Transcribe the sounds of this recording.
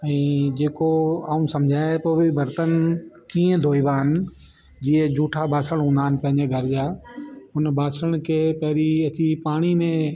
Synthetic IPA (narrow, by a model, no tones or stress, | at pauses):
ɛ̃ːd͡ʑeːkoaːũsɐmd͡ʑʱaːepoːbʱɪbɐɾt̪ənkiːə̃d̪ʱoːiʋaːɦɪnɪ̆ | d͡ʑiːə̃d͡ʑuːʈʰabʱaːsəɽ̃ɦũːnd̪aːɦɪnɪ̆pɐ̃ɦɪ̃ɲd͡ʑeɡʱɐɾɪd͡ʑaːʊnbaːsəɽ̃kʰeːpɐɦɪɾiɐt͡ɕipaːɽ̃imẽ